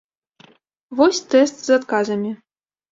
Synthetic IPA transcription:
vɔsʲt̪ɛst̪z̥at̪kazɐmʲi

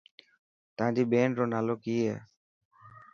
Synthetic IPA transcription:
t̪ãd̪ibenɾonalokiɛ

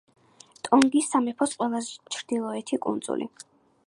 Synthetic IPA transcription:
t̪ʼɔŋɡisːamɛpʰɔsqʼwɛlˠazt͡ʃʰɾd̪ilˠɔɛt̪ʰikʼṵnd̪zṵlḭ

